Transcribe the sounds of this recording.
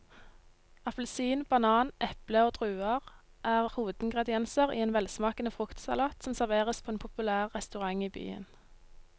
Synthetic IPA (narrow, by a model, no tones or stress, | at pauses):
ɑplsiːnbɑnɑːnʔɛpləoːt̪ʰʁʉːɑʁ | ʔæːʁhuːʋəd̪̥ɪŋɡʁɛd̪ɪɛnsəʁḭːeːnʋɛlsmɑːkənəfʁʊkt̪sɑ̰lɑːt̪sɔmsæʁʋeːʁəspʰoːeːnpʰʊpʉlæːʁʁɛst̪ʉʁɑŋiːby̰ːə̰n